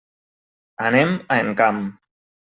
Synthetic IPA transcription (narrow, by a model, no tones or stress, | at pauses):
anemaeŋkam